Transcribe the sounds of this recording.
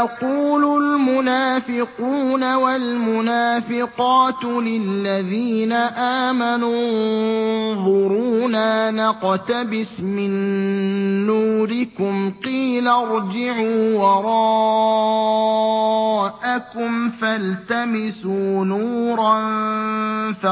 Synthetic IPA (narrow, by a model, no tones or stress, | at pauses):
jɑquːlʊlmʊnaːfɪquːnawalmʊnaːfɪqɑːt̪lɪlːaðiːnaʔaːmanu | ðˤʊɾuːnanɑqt̪abɪsmɪnː | uːɾɪkʊmqiːlaɾˤd͡ʒɪʕuːwɑɾˤɑː | ʔakʊmfalt̪amɪsuːnuːɾˤɑn | fa